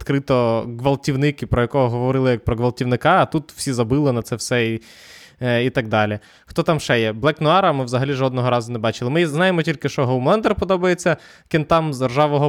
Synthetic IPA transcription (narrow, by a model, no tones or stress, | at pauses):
t̪kɾɪt̪ɔɡʋɐlˠtʲiwnɪkipɾɔjɐkɔɦɔɦɔʋɔɾɪlˠɪjɐk̚pɾɔɡʋɐlˠtʲiʋnɪkɑːt̪ut̪w̥sʲizɐbɪlˠɪnɐt̪sɛwsɛi | it̪ɐɡ̚d̪ɑlʲi | xt̪ɔt̪ɑmʃɛjɛblˠɛknʊɑɾɐmɪʋzɐɦɐlʲiʒɔd̪nɔɦɔɾɑzʊnɛbɑt͡ʃɪlˠɪmɪznɑjemɔtʲilʲkɪʃt͡ʃɔɦowmlˠɛnd̪ɛrpɔd̪ɔbɐjet͡sʲːɐ | kʲɪnt̪ɑmzd̪erʒɑʋɔɦɔ